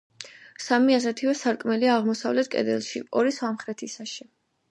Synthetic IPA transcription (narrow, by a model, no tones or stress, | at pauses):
samiasɛt̪ʰivɛsaɾkʼmɛliaːʁmɔsavlɛt̪̚ʰkʼɛ̰d̪ɛ̰lˠʃḭɔɾiswamχɾɛt̪ʰisaʃi